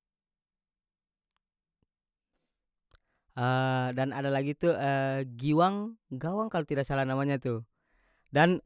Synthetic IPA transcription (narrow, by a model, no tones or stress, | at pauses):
ədanadalaɡit̪uəɡiwaŋɡawaŋkalot̪idak̚salanamaɲat̪u | dan